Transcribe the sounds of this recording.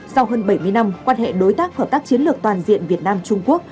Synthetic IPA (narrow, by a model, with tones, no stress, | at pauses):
sa˧wɦəː˧nɓa˧˩jmɨ˧əjna˧mkwaː˧nhḛ˧˨ɗo˨˦jt̪aː˦˥k̚həː˧˩p̚t̪aː˦˥k̚t͡ɕi˨˦ənlɨ˨˩ək̚t̪waː˨˩nzḭ˧˨ənvi˨˩ət̚naː˧mt͡ɕʊ˧ŋ͡mku˦˥ək̚